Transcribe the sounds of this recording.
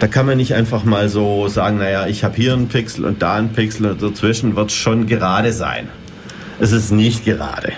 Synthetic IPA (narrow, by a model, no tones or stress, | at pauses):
d̥aːkʰanmanːɪçtʔa̰ɪnfaχmaːlzoːzaːɡŋ̩najaɪçhaːbəhiːɐnpʰɪksl̩ʊ̰nt̚d̥aːnpʰɪksl̩ʊnt̚d̥at͡sv̥ɪʃn̩vɪɐtsʃoːnɡəʁaːɾəza̰ɪn | ʔɛs̬ɪstnɪçt̚ɡ̥əʁa̰ːdə̰